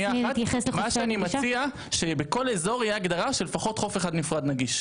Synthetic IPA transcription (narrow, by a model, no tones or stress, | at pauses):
jaatesmaʃeanimat͡sia | ʃe̞beko̞le̞zo̞ʁijeaɡd̪aʁaʃelefaχo̞tχo̞feχad̪nifʁad̪naɡiʃ